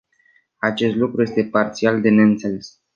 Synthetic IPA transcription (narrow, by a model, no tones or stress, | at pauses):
at͡ʃe̞st̪lukɾuje̞st̪e̞part̪siald̪e̞ne̞ɨnt̪se̞le̞s